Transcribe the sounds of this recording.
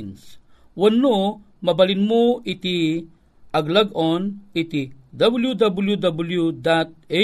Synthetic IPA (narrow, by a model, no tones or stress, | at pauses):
ns | wɐnːu | mɐbɐlinmuit̪i | ʔɐɡlaɡɔnit̪id̪ɐbuljud̪ɐbuljud̪ɐbuljud̪at̪̚e